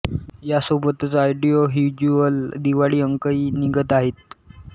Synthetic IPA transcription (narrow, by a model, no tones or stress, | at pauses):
jasobət̪t͡saajɖijoɦjud͡ʑuəld̪iʋaɭiːəŋkəiːniɡət̪aɦet̪̚